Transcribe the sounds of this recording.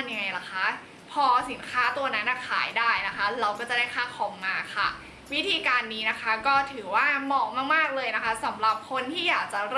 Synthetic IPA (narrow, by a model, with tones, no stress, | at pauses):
nja˧ŋa˧jla˨˩kʰa˦˥ | pʰɔː˧si˨˩˦nkʰaː˦˥t̪u˧ɐna˦˥nːa˧˩kʰa̰ː˩˦jdaː˥˩jna˦˥kʰa˦˥ɾa˧wkɔː˥˩t͡ɕa˨˩daː˥˩kʰaː˦˥˩kʰɔː˩˦mːaː˧kʰa̰˥˩ | wi˦˥t̪ʰiː˧kaː˧nːiː˦˥na˦˥kʰa˦˥kɔː˥˩t̪ʰɯː˩˦waː˥˩mɔː˧˩k̚maː˥˩k̚maː˥˩k̚lɤː˧jna˦˥kʰa˦˥sa˩˦mɾa˨˩p̚kʰo˧nt̪ʰiː˥˩jaː˨˩k̚t͡ɕa˨˩ɾɤː˥˩